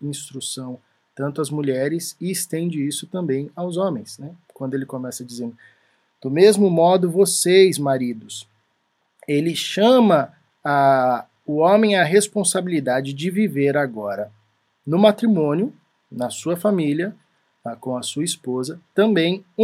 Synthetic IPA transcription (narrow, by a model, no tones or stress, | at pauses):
ĩst̪ɾusɐ̃w̃ | t̪ɐ̃nt̪ʊɐzmuʎɛɾɪsɪɪst̪ẽnd͡ʒɪisʊt̪ɐ̃mbẽj̃awzõmẽj̃snɛkwɐ̃nd̪ʊelɪkomɛsɐd͡ʒizẽnd̪ʊ | d̪̥ʊmezmʊmɔd̪ʊvosejzmaɾid̪ʊs | elɪʃɐ̃mɐ | a | ʊõmẽj̃ɐɦespõsabilid̪ad͡ʒɪd͡ʒɪviveɾaɡɔɾɐ | nʊmat̪ɾimõnjʊ | nɐsuɐfamiliɐ | akõw̃ɐsuɐispozɐt̪ɐ̃mbẽj̃